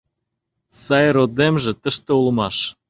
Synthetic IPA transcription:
sɑjɾod̪emʒĕt̪ə̆ʃt̪eulmɑʃ

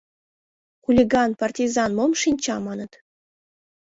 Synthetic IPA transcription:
xulʲiɡɑnpɑrtʲizɑnmɤ̆mʂinʲt͡ɕɑmɑnɤ̆t̪

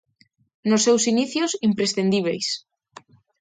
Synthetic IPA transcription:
nʊsːewsiniθjosimpɾesθĩnd̪iβ̞ḛjs

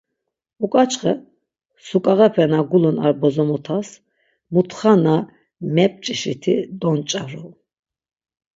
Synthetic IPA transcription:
ukʼat͡ʃʰʼχɛ | sukʼaʁɛpʰɛnaɡuluna̰ɾbɔzɔmɔt̪ʰas | mut̪ʰχana | mɛp̚ʼt͡ʃʼiʃit̪ʰid̪ɔnt͡ʃʼaɾɔ

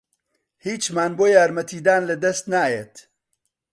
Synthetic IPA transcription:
hiːt͡ʃmaːnboːjaːɾmɐt̪ʰiːd̪aːnlɐd̪ɐst̪naːjeːt̪

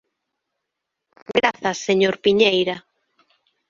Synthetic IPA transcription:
ɡɾaθɐsːeɲoɾpiɲejɾa

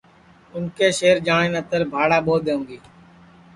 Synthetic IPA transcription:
ʊnkeːʃeːɾd͡ʒaːɳeːnət̪əɾbʱaːɽaːɓoːd̪eːũːŋɡiː

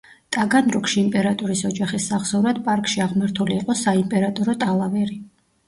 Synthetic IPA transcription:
t̪ʼaɡanɾɔkʃiːmpʼɛɾat̪ʼɔɾisɔd͡ʒaχisːaχsuɾad̪̚pʼaɾkʼʃiaʁmaɾt̪ʰuliːqʼɔsaimpʼɛɾat̪ʼɔɾɔt̪ʼalˠavɛɾi

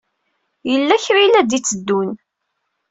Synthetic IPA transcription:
jəlːæçɾilːæd̪it͡sːəd̪ːun

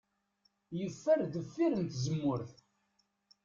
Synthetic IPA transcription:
jəθfːæɾd̪əfːiɾənt̪zəmːʊɾθ

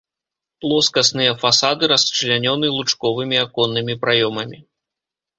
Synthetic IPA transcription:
plˠɔskɐsnɨjɐfasad̪ɨɾɐst͡ʂlʲanʲɔnɨlˠut͡ʂkɔvɨmʲiakɔnːɨmʲipɾajɔmɐmʲi

